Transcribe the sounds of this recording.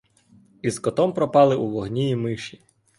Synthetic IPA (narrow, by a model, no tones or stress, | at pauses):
izkɔt̪ɔmpɾɔpɑlˠɪʔuʋɔɦnʲijimɪʃi